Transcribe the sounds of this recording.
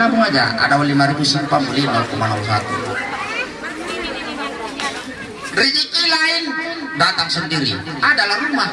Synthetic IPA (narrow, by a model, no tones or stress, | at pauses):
namuŋad͡ʒa̰ʔa̰dawalimaɾibusəmpamulinɔlkumanamsat̪u | rid͡ʒikilaindat̪aŋsəndiɾiadalahruma